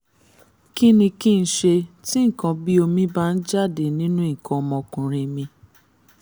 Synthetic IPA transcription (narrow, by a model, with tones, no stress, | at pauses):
ki˦nĩ˧ki˦n̩˦ʃe˧ti˦ŋ̩˨kã˧bi˦o˧mĩ˧ba˦˨n̩˦d͡ʒa˦˨de˨nĩ˦nũ˦i˦˨kʰã˧ɔ˧mɔ̃˧kũ˨ɾĩ˧mĩ˧